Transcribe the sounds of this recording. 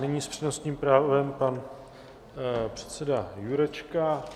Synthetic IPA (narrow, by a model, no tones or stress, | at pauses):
nɛɲiːspr̥inosɲiːmpɾaːvɛmpan | pr̝̥ɛ̥t̪sɛdajuɾɛt͡ʃka